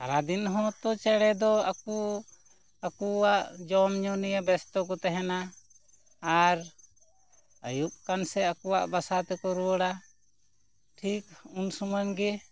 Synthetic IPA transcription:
kaɾad̪inɦɔ̃t̪ɔt͡ʃɛɽɛd̪ɔaku | akuwaʔd͡ʒɔmɲɔnijabɛst̪ɔk̬ɔt̪ɛɦɛnaː | ɾ | əjuʔ̚kansɛakɔwaʔbasat̪ɛkɔɾuwəɽa | ʈʰikunsuməɲɡɛ

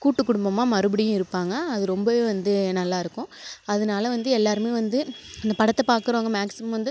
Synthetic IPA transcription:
kuːʈːɯkːʊɽʊmbɐmːaːmɐɾɯbɪɽɪjʊ̃ɪɾɯpːaːŋɡɐːðɯɾɔmbɐeːʋɐnd̪ɯnɐlːaːɪɾɯkːʊ̃ɐðɐnaːlɐʋɐnd̪ɯɛlːaːɾɯmeːʋɐnd̪ɯɐnd̪ɐpɐɽɐt̪ːɐpaːɾkɯɾoːŋɡɐmaːksɪmɐmʋɐnd̪ɯ

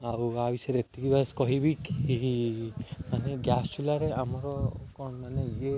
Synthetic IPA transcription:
awabisɔɾet̪ikibaskɔɦibiki | maneɡjast͡ʃʰulaɾeamɔɾɔkɔmaned͡ʒe

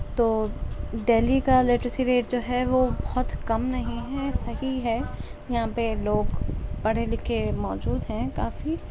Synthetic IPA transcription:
t̪oːɖeːlikaleːʈɾɪsiɾeːʈ̚d͡ʒoːɦɛʋobɔɦʊt̪kɐmnɐɦĩɦɛsɐɦiɦɛjɐɦãpeloːɡpɐɽ̤elɪkʰemɔːd͡ʒuːd̪ɦɛ̃kaːfi

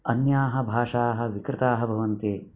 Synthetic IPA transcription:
ɐnjaːɦɐ̆bʱaːʂaːɦɐ̆ʋikɾɪt̪aːɦɐbʱɐʋɐnt̪eː

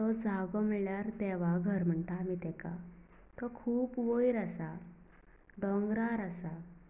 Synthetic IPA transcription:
t̪ɔd͡zʱaɡɔmiɭɭjaɾt̪ɛʋaɡʱəɾm̤əɳt̪aːmit̪ɛka | t̪ɔkʰuːpʋojɾasa | ɖɔ̃ŋɡɾaɾasa

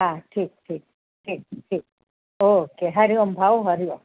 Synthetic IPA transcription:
ɦaʈʰiːk̚ʈʰiːk̚ | ʈʰiːk̚ʈʰiːk̚ | okeɦəɾiombʱaoɦəɾio

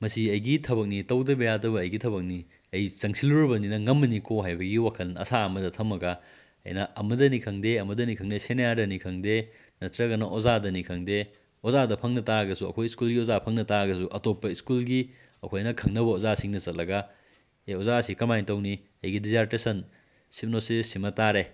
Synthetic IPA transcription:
mɐsiɐjɡitʰɐbɐk̚nitɐwdɐbɐjadɐbɐːjɡitʰɐβɐk̚ni | ɐjt͡ʃɐŋsʰiluɾɐbɐninɐŋɐmːɐnikoɦajbɐɡiwakʰɐlɐ̰saɐmɐdɐtʰɐmɐɡa | ɐ̰jnɐɐmɐdɐnikʰɐŋdeɐmɐdɐnikʰɐŋdesenɐjadɐnikʰɐŋde | nɐtɾɐɡɐnɐʔozadɐnikʰɐŋde | ozadɐpʰɐŋnɐtaɐɡɐsuɐ̰kʰojiskulɡiozapʰɐŋnɐtaɐɡɐsuʔɐtopːɐiskulɡi | ɐkʰojnɐkʰɐŋnɐbɐozasiŋnɐt͡ʃɐt̚lɐɡɐ | eozasikɐmajntɐwni | ɐjɡidizaɾtesɐn | sip̚nosisːimɐtaɾe

